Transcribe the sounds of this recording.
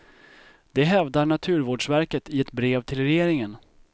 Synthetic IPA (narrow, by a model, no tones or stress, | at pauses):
d̪̥ɛɦɛvd̪aɳat̪ʰʉ̟ːɾvoːɖʂvæɾkət̪ʰɪɛt̪bɾeːvt̪ʰɪlɾɛjeːɾɪŋən